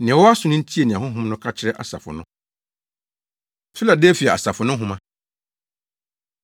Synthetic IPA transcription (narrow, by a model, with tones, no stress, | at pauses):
nɪ̃˨wɔ˦a˦sʊ˨nʊ̃˦n̩˦tʰi˦e˨nɪ̃˨ã˨ɦʊ̃˦ɦʊ̃˦mnʊ̃˦kʰa˦t͡ɕʰɪ˦ɾɛ˦ʔa̰˨sa̰˨fʊ̰˨nʊ̰̃˦ | fɪ˦la˨de˦fi˨ɛ˨a̰˨sa˨fʊ˨nʊ̃˦ɦʊ̃˦mã˦